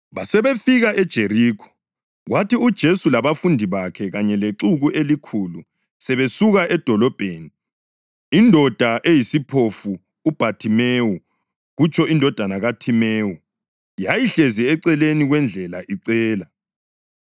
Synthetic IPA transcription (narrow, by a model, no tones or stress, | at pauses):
βasɛβefiɣaʔɛd̥ʒ̥ʱeriːkʰɔ̥ | ɣwatʰiud̥ʒ̥ʱesulaβafundʱiβakʰɛɣaɲɛleǁuɣuʔelikʰulu | sɛβesuɣaʔɛd̥ʱɔlɔb̥ʱeːniː | ndʱɔd̥ʱaʔejisipʰofuː | b̥ʱatʰimewu | ɣut͡ʃʼʰɔindʱɔd̥ʱanaɣatʰimeːwu | jajiɬeziɛǀɛleniɣwɛnd͡ɮʱɛla̰ʔiǀɛːla